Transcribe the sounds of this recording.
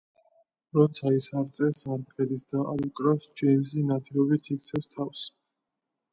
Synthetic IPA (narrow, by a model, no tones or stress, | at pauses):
ɾɔt̪sʰaisaɾt̪sʼɛɾsaɾpʰʼɛd̪isd̪aa̰ɾikʼɾɔsd͡ʒɛjmzinat̪ʰilɔbit̪ʰit̪sʰɛfst̪ʰafs